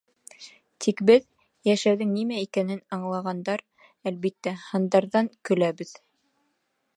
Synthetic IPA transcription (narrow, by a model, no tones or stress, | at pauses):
t̪ʰikbɘð | jæʃæwðɘŋnimæikænɘnɑɴlˠɑʁɑnd̪ɑɾ | ælβit̪ːæhɤ̆nd̪ɑɾðɑŋkɵ̆læβɘð